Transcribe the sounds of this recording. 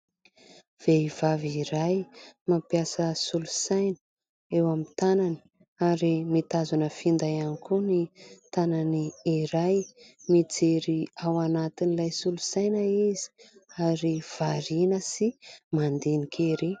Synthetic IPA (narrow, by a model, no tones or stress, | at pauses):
v̥eiv̥aviɾajmapjasəsulusajnə̥ | ewamit̪anani̥ | aɾimit̪azunəfind̪ajanikunit̪ananiːɾajmid͡zeɾiawanat̪inilajsulusajnəiz̥i̥aɾiv̥aɾinəsimand̪enikʰeɾi